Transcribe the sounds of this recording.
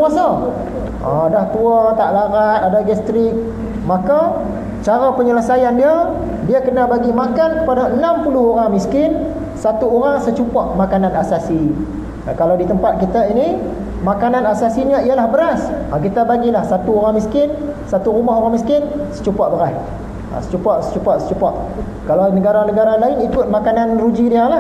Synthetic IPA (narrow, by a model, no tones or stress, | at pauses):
asa | ʔa̰daht̪uət̪aʔlaɾat̪̚adaɡɛst̪ɾɪk̚ | maka | t͡ʃaɾapəɲələsajandiə | diəkənabaɡimakankəpadaənampulʊhoɾaŋmiskɪn | sat̪uoɾaŋsət͡ʃupaʔmakananasasḭ | kalawdit̪əmpat̪̚kit̪aini | makananasasiɲaiəlahbəɾasakit̪əbaɡilahsat̪uoɾaŋmiskɪn | sat̪uɾumaɦoɾaŋmiskɪnsə̥t͡ʃupaʔbəɾah | a̰sə̥t͡ʃupaʔsə̥t͡ʃupaʔsə̥t͡ʃupaʔ | kalawnəɡaɾanəɡaɾalaɪnikʊt̪̚makananrud͡ʒidialah